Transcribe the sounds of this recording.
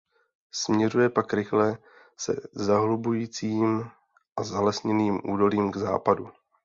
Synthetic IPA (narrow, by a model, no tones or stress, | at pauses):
smɲɛrujɛpakɾɪxlɛ | sɛ̰zaɦlubujiːt͡siːm | ʔazalɛsɲɛniːmʔuːdo̞liːmɡza̰ːpadu